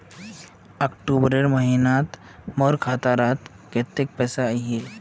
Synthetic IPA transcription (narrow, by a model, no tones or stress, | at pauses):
ɐkʈuːbɾeɾmɐɦinaːt̪ | moɾkʰaːt̪aɾaːt̪ | ket̪ːek̚pɛːsaaiɦe